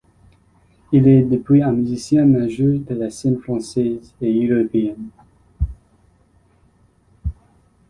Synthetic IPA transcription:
ilɛd̪epwiɛ̃myzisjɛ̃mɛ̃ʒød̪əlasɛnfχɑ̃sɛzeøʁɔpeɛn

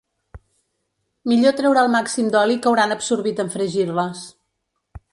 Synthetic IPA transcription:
miʎot̪ɾɛwɾaəlˠmaksimd̪ɔlikəwɾanəpsuɾβit̪əɱfɾəʒirləs

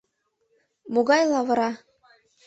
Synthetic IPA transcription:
moɣɑjlˠɑvɤ̆ɾɑ

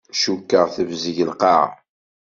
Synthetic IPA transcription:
ʃukːəʁθəvziʝəlqɑ̰ʁ

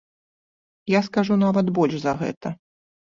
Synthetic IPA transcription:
jaskaʐunavɐd̪bɔlʲʐzɐɣɛ̰t̪ɐ

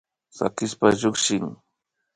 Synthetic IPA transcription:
sa̰kɪspaʎʊkʃɪŋ

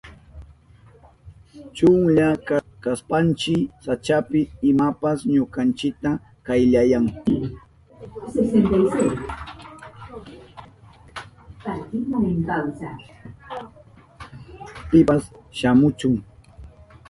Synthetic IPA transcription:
t͡ʃʊŋʎakakaspant͡ʃɪsat͡ʃapɪɪmapasɲokant͡ʃɪk̚t̪a | kajʎajaŋ | sesent̪ajsej | paɾt̪ɪmanɪŋkawsa | pɪasʃamʊt͡ʃʊŋ

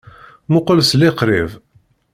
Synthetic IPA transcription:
mʊqəlsliqɾḭv

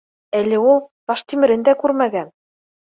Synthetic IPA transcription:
ælɘ̆ulˠt̪ɑʃt̪imɘ̆ɾɘ̆nd̪ækʉɾmæɡæn

